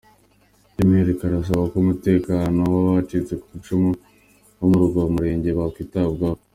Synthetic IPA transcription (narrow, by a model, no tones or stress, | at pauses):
imieɾekaɾas̬aβakoumute̞ːkaːnowaβat͡ʃit͡se̞kuβit͡ʃomo | womuɾuɡaβomuɾe̞ːɲɟe̞βakwiːtabɡaβo